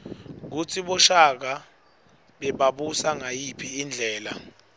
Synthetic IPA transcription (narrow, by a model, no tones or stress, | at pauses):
k̬ut͡sʰiɓɔʃak̬a | ɓɛɓaɓusaŋajipʰiːnd͡ɮʱɛːla̰